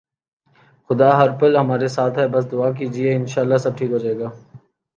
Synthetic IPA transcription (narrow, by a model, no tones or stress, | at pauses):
xʊd̪aːɦɐɾpəlɦɐmaːɾesaːt̪ʰɦɛbɐs̬d̪ʊaːk̬iːd͡ʒieɪnʃaːlːasɐb̚ʈʰiːkɦoːd͡ʒaːeːɡaː